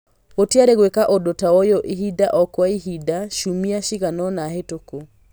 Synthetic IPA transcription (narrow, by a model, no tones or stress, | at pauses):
otiaɾeɣwekaʔodotawɔjoʔiɦidaʔɔkwaiɦidaʃumiaʃiɣanɔnaɦetoko